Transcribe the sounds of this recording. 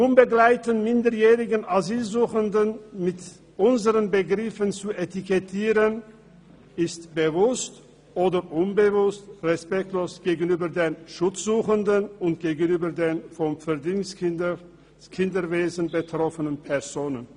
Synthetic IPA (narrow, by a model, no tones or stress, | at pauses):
nʊnbəɡlaɪtənmɪndəjɛːʁɪɡənaziːlzuːxəndənmɪt | ʔʊnzəʁənbəɡʁɪfənt͡suʔetikɛtʰiːʁən | ɪstb̥əvʊst | ʔoːdəʔʊnbəvʊstʁɛspɛk̚tʰloːsɡ̥eːɡn̩yːbɐdeːnʃʊt͡sz̥uːxəndənʊntɡ̥eːɡən̩yːbɐdeːnfɔmfɛɐdiŋs | kʰɪndəveːzən̩bətʁ̥ɔfənənpʰɛɐzoːnən